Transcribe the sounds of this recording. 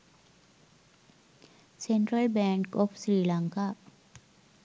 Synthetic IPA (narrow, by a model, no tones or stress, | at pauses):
sẽɳʈɾəlbɛ̃ŋkɔfsɾiːlãŋka